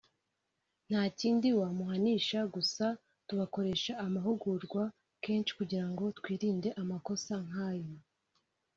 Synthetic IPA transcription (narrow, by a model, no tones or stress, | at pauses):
n̥haːciːndiwamuɦaniːʃaɡusa | tuβako̞ɾe̞ʃaːmaɦuɡuɾɡwa | ke̞ːnt͡ʃʃi̥kuɟiɾaŋɡo̞tkwiːɾiːnde̞ʔamako̞saŋ̥aːjo